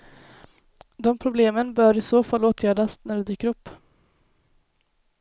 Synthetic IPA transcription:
d̪ɔmpʰɾʊbleːmənbœːɾɪsoːfalːoːt̪ʰjæːɖasnæɖɛd̪yːkəɾɵpː

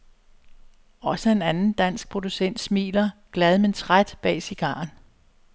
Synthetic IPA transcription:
ɒ̽səe̝nænn̩d̥æn̰sɡ̥̚pʰʁo̝d̥usen̰d̥smḭːlɐɡ̥læð̞ˠment͡sʰʁad̥b̥ɛ̰ːsiɡ̥ɑ̰̈ːn

